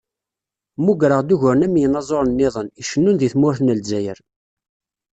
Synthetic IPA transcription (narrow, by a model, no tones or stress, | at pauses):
muɡɾəʁd̪uʝʊɾənæmjənɑzˤoɾˤnːɪðˤəniʃənːunðiθmʊɾθnəlzæjəɾ